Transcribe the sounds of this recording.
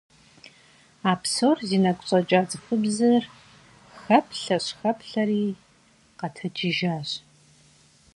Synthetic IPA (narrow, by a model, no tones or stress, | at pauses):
aːpsoːrziːnɐkʷʊɕʼɐt͡ʃʼaːt͡sʼɨfɨbzɨr | xɐpʰɬɐɕxɐpʰɬɐriː | qɐtʰɐt͡ʃʰiʒaːɕ